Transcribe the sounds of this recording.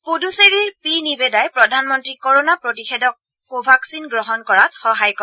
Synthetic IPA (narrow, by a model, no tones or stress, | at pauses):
poduseɹiɹpinibɛdajpɹɔdʱanmɔntɹikoɹonapɹotixedɔkː | obʱaksinɡɹɔɦɔnkɔɹatxɔɦajkɔ